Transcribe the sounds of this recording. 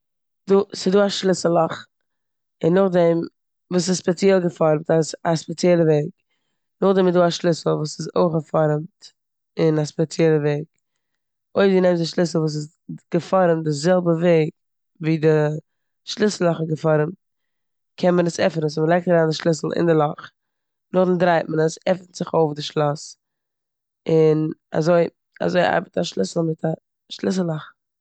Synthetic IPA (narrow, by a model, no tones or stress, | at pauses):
duːsɪduːaʃlˠɪsəl̩ˠɔχ | ɪnːʊχdɛm | vuːs̬ɪspɛt͡sjɛlˠɡəfɔɾmtasaspɛt͡sjɛlˠəveɪk | nʊχdɛmɪduːaʃlˠɪsl̩ˠvuːsɪzoɪχəfɔɾmt | ɪnaspɛt͡sjɛlˠəveɪk̚ | oɪfdinɛmzɪʃlˠɪsl̩ˠvuːs̬ɪz | ɡ̥əfɔɾəmtdɪzɛlˠbəveɪk̚ | viːdɪ | ʃlˠɪsl̩ˠɔχəɡəfɔɾəm | kʰɛnmənəsɛfənəs̬məlˠɛɪk̚təɾaːndɪʃlˠɪsl̩ˠɪ̰ndɪlˠɔχ | nʊχdɪndɾaɪt̚mənəsɛfətz̥ɪχoʊfdɪʃlˠɔs | ɪna̰zoɪ | a̰zoɪʔa̰ɾbətaʃlˠɪsl̩ˠmɪtʰa | ʃlˠɪs̬l̩ˠɔχ